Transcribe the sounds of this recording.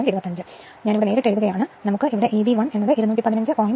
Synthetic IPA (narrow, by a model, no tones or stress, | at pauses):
miɾubɐt̪ːɐɲd͡ʑɨ | ɲaːniʋiɽe̞neːɾiʈːeɭðuɣɐjaːɳɨnɐmukːɨiʋiɽe̞ʔeːðiʋɐɳenːɐðɨʔiɾuɐnuːʈːipɐðinɐɲd͡ʑɨʔoːj